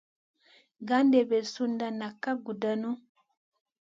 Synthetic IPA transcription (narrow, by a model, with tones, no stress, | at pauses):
ɡa˦ndɛ˨bɛ˨su˦nda˨na˨ka˦ɡu˨da˨nu˦